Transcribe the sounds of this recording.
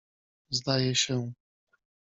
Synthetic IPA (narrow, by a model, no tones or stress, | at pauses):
zd̪ajɛɕɛ